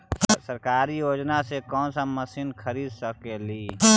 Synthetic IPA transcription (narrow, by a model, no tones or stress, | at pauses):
səɾkaːɾijoːd͡ʒnasekɔːnsaməsɪnkʰəɾiːd̪səkeliː